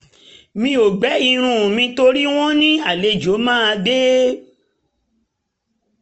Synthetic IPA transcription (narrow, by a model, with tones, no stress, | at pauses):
mĩ˧˦o˨ɡ͡bɛ˨˦i˧ɾ̃ũ˦˨mĩ˧to˧ɾi˦w̃ɔ̃˦nĩ˦a˦˨le˧˨d͡ʒo˨˦mãː˦a˧de˦